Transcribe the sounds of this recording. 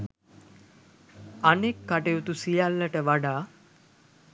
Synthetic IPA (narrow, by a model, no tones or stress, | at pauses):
anekːaʈeut̪usijalːəʈəʋaɖaː